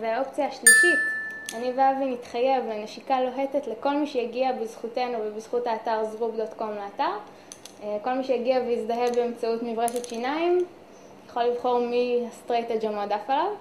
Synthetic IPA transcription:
veao̞pt͡sijaːʃliʃitaniveavimitχaje̞vleneʃikalo̞ɦe̞tetleko̞lmiʃejaɡiabizχutenuvebizχutaːtaʁzʁubdotkomleataʁ | ko̞lmiʃejaɡiaveizdaɦevbeːmt͡sautmivʁeʃetʃinaim | jaχo̞livχo̞ʁmiastʁeted͡ʒamodafalav

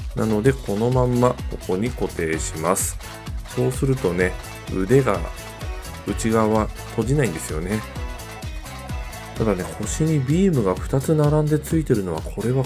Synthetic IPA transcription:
nano̞d̪e̞kʰo̞no̞mãmːako̞ko̞ɲ̟iko̞t̪e̞ːɕimasɨ̥ | so̞ːsɨɾɯ̟t̪o̞ne̞ | ɯ̟̰d̪e̞ɡa̰ | ɯ̟t͡ɕiɡaβa | t̪ʰo̞ʑinaĩnd̪e̞sɨjo̞̰ne̞ | t̪ad̪ane̞ko̞ɕiɲ̟ibʲiːmɯ̟ɡaɸɯ̥t̪at͡sɨnaɾãnd̪e̞t͡sɨit̪e̞ɾɯ̟no̞β̞akʰo̞ɾe̞βa

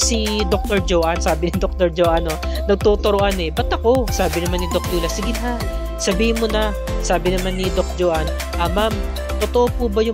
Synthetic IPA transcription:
sid̪ok̚t̪oɹd͡ʒoːʔansaːbɪnɪd̪ok̚t̪oɹd͡ʒoːʔano̞ | nɐɡ̚t̪oːt̪oɾoʔanɛbɐt̪ʔɐko̞saːbɪnɐmanːɪd̪ok̚luːlɐsɪɡɪnɦa | sɐbiːhɪnmːonɐ | saːbɪnɐmanːɪd̪ok̚d͡ʒoːʔan | ʔamam | t̪ot̪oʔopuːbɐjʊ

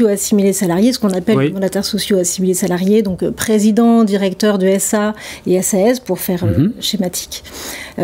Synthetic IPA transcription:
oasimilesalaʁjesə̥kɔ̃napɛlmɑ̃d̪at̪ɛʁsɔsjoasimilesalaʁjed̪ɔ̃kpχezid̪ɑ̃d̪iʁɛkt̪œʁd̪yɛsaeɛsaɛspuʁfɛʁøʃemat̪ʰi̥kʲ

